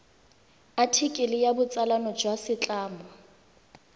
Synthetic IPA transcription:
atʰikʼɪlɪjabʊt͡sʼalanɔd͡ʒwasɪt͡ɬʼaːmɔ

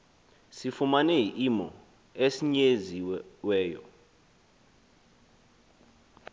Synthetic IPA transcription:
sifumanɛiʔimɔ | esiɲeziwɛːjɔ̰

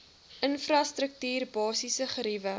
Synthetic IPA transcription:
ʔənfrɑstɾək̚tyːrbɑːsisəχəɾivə

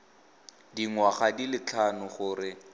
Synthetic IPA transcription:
diŋwaχadilɪt͡ɬʰanʊχʊːrɪ

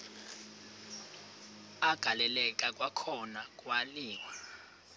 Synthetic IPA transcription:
aɡ̥ʱalɛlɛkʼakʼwakʰɔnakʼwaliːwa

